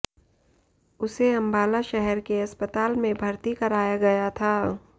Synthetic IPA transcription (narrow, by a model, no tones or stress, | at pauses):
ʊseɐ̃mbaːlaʃɛɦɛɾkeɐspət̪aːlmẽbʱɐɾt̪ikɐɾaːjaɡɐjat̪ʰaː